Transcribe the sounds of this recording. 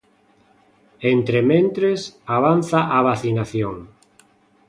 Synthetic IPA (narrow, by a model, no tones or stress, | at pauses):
ent̪ɾemẽnt̪ɾesaβ̞anθaʔaβaθinaθjoŋ